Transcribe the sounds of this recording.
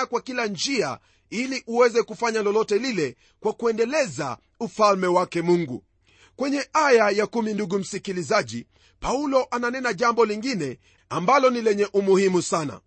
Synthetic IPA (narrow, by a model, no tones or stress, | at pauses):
akwakiland͡ʒia̰ | iliʔuwɛzɛkufaɲalɔlɔtɛlilɛ | kwakuɛndɛlɛza̰ | ufalmɛwakɛmuŋɡṵ | kwɛɲɛʔajajakuminduɡum̩sikilizaʄḭ | paulɔʔananɛnaʄambɔliŋɡinɛ | ambalɔnilɛɲɛʔumuhimusana̰